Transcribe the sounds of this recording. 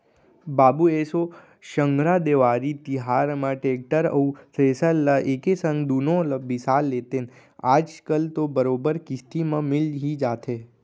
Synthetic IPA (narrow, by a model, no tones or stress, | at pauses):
babueso | ʃəŋɡɾad̪eʋaɾit̪iɦaɾmãʈek̚ʈəɾə̰usesəlːəʔekesəŋɡd̪unoləbisalːet̪en | ad͡ʒkəlt̪obəɾobəɾkɪst̪imãmɪlɦid͡ʒat̪ʰe